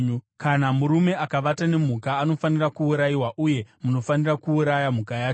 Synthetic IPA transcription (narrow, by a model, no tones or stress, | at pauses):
kanamuɾume̞akaʋatane̞m̤ukaːno̞fanirakuːɾajiwaʔuje̞muno̞fanirakuːɾajam̤ukajaːt͡ʃo